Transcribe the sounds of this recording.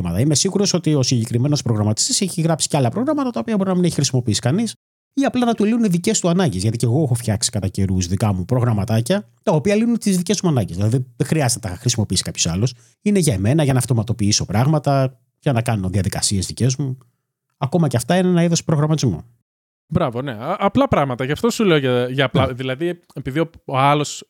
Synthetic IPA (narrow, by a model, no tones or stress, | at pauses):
mɐt̪ɐime̞siɣuɾo̞so̞t̪io̞siɲɟekɾime̞no̞spɾo̞ɣɾɐmɐt̪i̥st̪ise̞çiɣɾɐpsi̥ceɐlɐpɾo̞ɣɾɐmɐt̪ɐt̪ɐopiɐbo̞ɾinɐmineçixɾisimo̞piisi̥kɐnis | iɐplɐnɐt̪uliuneðice̞st̪uɐnɐɲɟezʝɐt̪ice̞ɣo̞exo̞fçɐksi̥kɐt̪ɐce̞ɾuzðikɐmupɾo̞ɣɾɐmɐt̪ɐcɐ | t̪ɐopiɐlinunet̪izðice̞smuɐnɐɲɟelɐðiðiðexɾiɐzet̪enɐxɾisimo̞piisi̥kɐpço̞sɐlos | ineʝɐeme̞nɐʝɐnɐːft̪o̞mɐt̪o̞piiso̞pɾɐɣmɐt̪ɐ | ʝɐnɐkɐno̞ðiɐðikɐsie̞zðice̞zmu | ɐko̞mɐceɐft̪ɐinenɐiðo̞spɾo̞ɣɾɐmɐt̪izmo̞̰ | bɾɐvoneʔɐplɐpɾɐɣmɐt̪ɐʝɐft̪osuleoʝɐʝɐːplɐðilɐði | epiðiooɐlo̞s